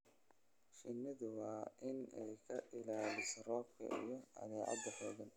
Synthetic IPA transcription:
ʃɪnːɪðʊwɑːɪnɛ̰jkʰɐʔɪlaːlɪsrɔːb̚kʰɐ̰ʔḭjɞɐ̰ðɛːʕɑ̰d̪ːɐħɔːɣɐn

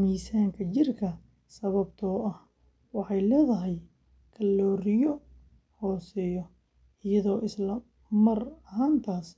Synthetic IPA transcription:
miːsaːŋkʰɐt͡ʃɪrkʰɐ | sɐβɐbt̪ʰɔːʔɐh | wɑħɑjlɛːðɐɦɛj | kʰɐlːɔːɾɪjɔ | hɔːsɛːjɔ | ʔɪjɐðɔːʔɪslɐ | mɐrɐɦaːnt̪ʰaːs

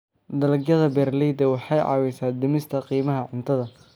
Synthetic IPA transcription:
d̪ɐlɡjɐðɐbɛːrlɛjd̪ɐwɑħɑjʕɑ̰ːwɛsaːd̪ɪmɪst̪ʰɐqiːmɐɦɐʕʊnt̪ʰɐðɐ

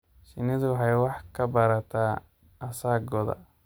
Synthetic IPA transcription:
ʃɪnɪðwħɑjwɑħkʰɐbɐɾɐt̪ʰaː | ɐsaːɡɔðɐ̰

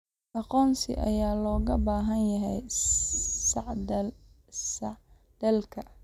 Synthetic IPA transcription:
ʔɑqɔːnsɪ̰ʔɐ̰jaːlɔːɣɐbaːɦɐnjɐɦɛj | d | d̪̥ɐlkʰɐ

